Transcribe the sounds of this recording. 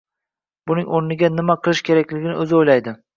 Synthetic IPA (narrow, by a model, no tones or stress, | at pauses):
bʊnɪŋoɾnɪɡʲanɪmaqʰɨlˠɪʃkʲʰe̞ɾakʲlɪɡʲɪnɪɵzɪojlajd̪ɪ